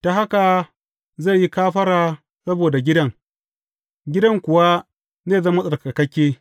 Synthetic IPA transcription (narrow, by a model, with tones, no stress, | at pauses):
ta˨ɦa˦ka˨ | ze˦˨ji˦kaː˦ɸɐ˦ɽaː˨ | sɐ˦boː˨da˨ɡʲɪ˦dɐ˦ŋ | ɡʲɪ˦dɐ˦ŋkʷʊ˨wa˦ | zeː˦˨zɐ˦mːa˦sʼɐ˨ka˨kɐ˦kʲeː˦